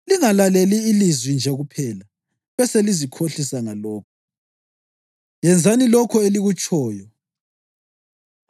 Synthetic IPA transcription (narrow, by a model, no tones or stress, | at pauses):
liŋalaleliːlizwind͡ʒʱɛɣupʰɛla | βɛselizikʰoɬisaŋalɔːk̚ʰɔ̥ | jɛnd͡zʱanilɔkʰɔeliɣut͡ʃʼʰɔːjɔ